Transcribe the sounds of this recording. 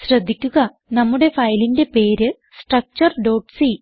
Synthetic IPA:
ɕɾɐd̪ʱːikʲːuɣɐ | nɐmːuɽe̞fɐjlinde̞pe̞ːɾɨ | sʈrɐk̚t͡ɕɐrɖo̞ːʈsi

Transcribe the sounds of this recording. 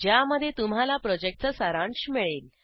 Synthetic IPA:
d͡ʑjaməd̪ʱːjet̪um̤alapɾɔd͡ʑek̚ʈ̚t͡səsaɾãɳɕmiɭiːl

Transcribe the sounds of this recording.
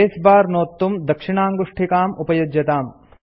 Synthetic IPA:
eːsbaːɾnoːt̪ːumd̪ɐkʂiɳaːŋɡuʂʈʰikaːmupɐjɐd͡ʒjɐt̪aːm

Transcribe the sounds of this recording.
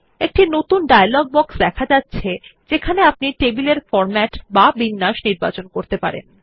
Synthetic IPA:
ek̚ʈinot̪unɖajalɔɡ̚bɔksd̪ɛkʰad͡ʑatːɕʰed͡ʑekʰaneapniʈebileɾfɔɾmɛʈbabinːaʃniɾba̰t͡ɕonkoɾt̪epa̰ɾḛn

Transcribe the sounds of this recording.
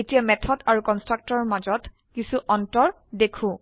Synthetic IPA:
etijamɛtʰɔdaɹukɔnstɹak̚tɔɹmazɔt | kisuʔɔntɔɹ | dekʰũ

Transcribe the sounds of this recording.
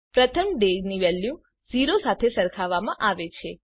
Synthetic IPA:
pɾət̪ʰəmɖeɡniʋɛljũ | ziɾosat̪ʰesəɾkʰaʋamãʔaʋet͡ʃʰe

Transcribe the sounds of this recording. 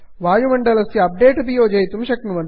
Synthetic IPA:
ʋaːjumɐɳɖɐlɐsjɐɐp̚ɖeːʈbijoːd͡ʒɐjt̪umʃɐknuʋɐn

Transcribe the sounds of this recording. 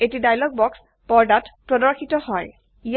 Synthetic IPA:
etidajlɔɡ̚bɔks | pɔɹdatpɹɔdɔɹxʰitɔhɔj | ij

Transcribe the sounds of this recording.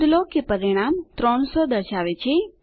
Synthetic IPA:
d̪lokepəɾiɽ̃amt̪ɾɔɳ̃sod̪əɾʃaʋet͡ʃʰe

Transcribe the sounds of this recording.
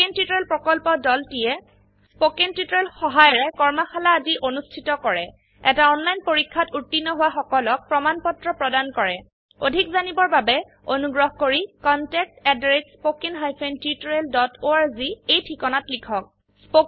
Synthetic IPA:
entjutɔɹelpɹɔkɔlpɔdɔltijɛ | spokentjutɔɹelxɔɦajɔɹɛkɔɹmaxʰalaːdiʔonustʰitɔkɔɹɛ | ɛ̰taɔnlajnpoɹikʰːatutːinːɔɦʊwaxɔkɔlɔk̚pɹɔmanpɔtɹɔpɹɔdankɔɹɛ | odʱikzanibɔɹbabɛ | onuɡɹɔɦkoɹikɔntɛk̚tɛdɹetspokinɦajpʰentjutɹeldɔtoaɹziejtʰxikɔnatlikʰɔk̚ | spo

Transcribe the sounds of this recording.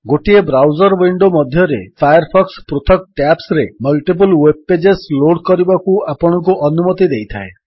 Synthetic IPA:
ɡoʈiebɾawd͡ʒɔɾwiɳɖomɔd̪ʱjɔɾepʰajɔɾpʰɔkspɾot̪ʰɔk̚ʈapsɾemɔlʈip̬ulwep̚ːed͡ʒesloɽkɔɾibakuapɔɽ̃ɔŋkuʔɔnumɔt̪id̪ejt̪ʰa̰e

